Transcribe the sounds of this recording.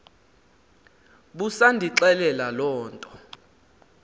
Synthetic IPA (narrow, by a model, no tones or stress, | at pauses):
ɓusandʱiǁɛlɛlalɔːntʼɔ̥